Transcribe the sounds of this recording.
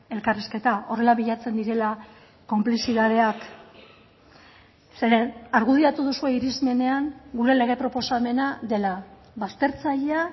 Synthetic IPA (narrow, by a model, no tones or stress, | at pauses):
e̞lkariske̞t̪ao̞re̞laβiʎat͡se̞nd̪iɾe̞la | ko̞mplisiðað̞e̞ak | seɾenaɾɣuð̞iat̪uð̞usue̞iɾizme̞ne̞aŋɡuɾe̞le̞ɣ̞e̞pɾo̞posame̞naðe̞la | βast̪e̞ɾt͡saʎea